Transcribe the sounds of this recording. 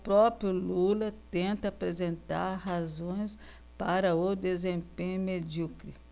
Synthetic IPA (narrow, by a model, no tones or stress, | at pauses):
pɾɔpɾjʊlulɐt̪ẽnt̪ɐapɾezẽnt̪a̰ɾɦazõj̃s | paɾɐod̪ezẽmpẽɲumed͡ʒukɾi